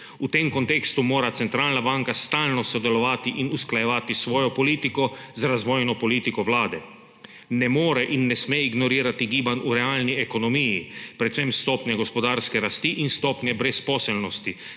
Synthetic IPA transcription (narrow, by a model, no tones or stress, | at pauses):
ut̪emkɔnt̪eːkst̪umoːɾat̪sɛnt̪ɾaːlnabaŋkast̪alnɔsɔd̪ɛlɔʋaːt̪iʔinusklajɛʋaːt̪isʋɔːjɔpɔliːt̪ikɔzaɾazʋɔːjnɔpɔliːt̪ikɔʋlaːd̪ɛ | nɛmɔːɾɛʔinːɛsmeiɡnɔɾiːɾat̪iɡiːbanuɾɛaːlniɛkɔnɔmiːjipɾɛt̪semst̪ɔːpnjɛɡɔspɔd̪aːɾskɛɾast̪iʔinst̪ɔːpnʲjɛbɾɛspɔːsɛlnɔst̪i